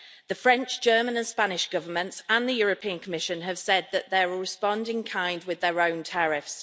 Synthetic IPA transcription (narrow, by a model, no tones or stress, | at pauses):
ðəfɹɛ̃nt͡ʃd̥ʒ̥ɜːmə̃nə̃nspanɪʃɡ̥ʊvəmə̃ntsə̃nðəjɔːɹəpʰiə̃nkʰəmɪʃə̃nəv̥sɛd̪̚ðəʔðəɹɪspɒ̃ndɪ̃ŋkʰãɪ̃nd̚wɪðəɹõʊ̃ntʰaɹɪfs